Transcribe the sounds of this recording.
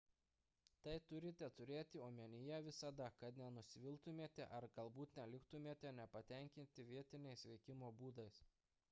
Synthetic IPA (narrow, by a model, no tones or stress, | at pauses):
t̪ɐɪt̪ʊɾʲɪt̪ʲɛt̪ʊɾʲeːt̪ʲɪoːmʲɛnʲɪjɛʋʲɪsɐd̪ɐkɐt̪nʲɛnʊsʲɪʋʲɪlˠt̪ʊmʲeːt̪ʲɛ̰ʔɐɾɡɐlˠbuːt̪nʲɛlʲɪkt̪ʊmʲeːt̪ʲɛnʲɛpɐt̪ʲɛˑŋʲkʲɪnʲt̪ʲɪʋʲiɛt̪ʲɪnʲɛɪsʋʲɛɪkʲɪmoːbuːd̪ɐɪs